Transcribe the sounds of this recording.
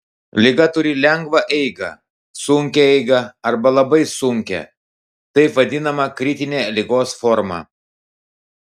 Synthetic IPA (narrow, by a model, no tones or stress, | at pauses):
lʲɪɡɐt̪ʊɾʲɪlʲɛŋɡʋɐʔɛɪɡɐ̰ | sʊŋʲkʲɛɛɪɡɐɐɾbɐlˠɐbɐɪsʊŋʲkʲɛ̰ | t̪ɐɪpʋɐd̪ʲɪnɐmɐkɾʲɪt̪ʲɪnʲeːlʲɪɡoːsfɔɾmɑ̰ː